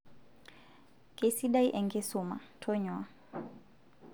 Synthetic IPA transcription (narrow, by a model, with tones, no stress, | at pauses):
kʼe˦si˦ɗa˦i˦ʔɛ˨ŋɡɪ˦sʊ˨ma̰˨tʰɔ˦ɲwa˦˨